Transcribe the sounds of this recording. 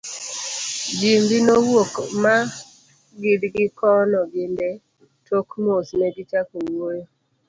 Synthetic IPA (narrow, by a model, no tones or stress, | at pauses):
d͡ʒimbɪnowokma | ɡɪdɡɪkɔnɔɡɪndɛ | tʰokmosmɛɡɪt͡ʃakowojo